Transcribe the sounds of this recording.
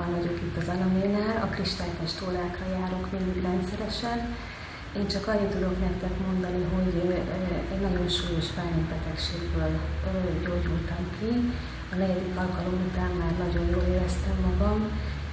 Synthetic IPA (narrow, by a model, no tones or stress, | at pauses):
nvɒɟo̞kit̪ːɒzɒlɒmeːnaːlɒkriʃt̪aːlt̪ɛʃt̪oːlaːkrɒjaːɾo̞kmind̪iɡrɛnt̪sɛɾɛʃɛn | eːnt͡ʃɒkɒɲit̪ːud̪o̞knɛkt̪ɛkmo̞nd̪ɒniɦo̞ɟ | ɛɟnɒɟo̞nʃuːjo̞ʃbaːnoɡbɛt̪ɛkʃeːɡbøːlɟoːɟult̪ɒmkʰi | ɒnɛɟɛd̪ikɒlkɒlo̞mut̪aːmːaːrnɒɟo̞njoːleːɾɛst̪ɛmːɒɡɒm